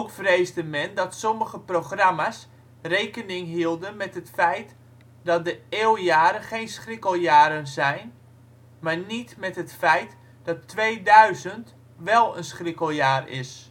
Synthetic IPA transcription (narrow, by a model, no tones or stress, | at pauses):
owkfrejzdəmɛndɔtsoməɣəproχramas | rejkənɪŋɦiəlˠdənmɛtɦətfɛjt | dɔt̚dəeːwjaːɾənχejnsχrɪkəlˠjaːɾənzɛjn | maɹnitmɛtɦətfɛjt | d̥ɔtːʋejdœɥzənt | ʋɛlˠənsχrɪkəlˠjaːrɪ̰s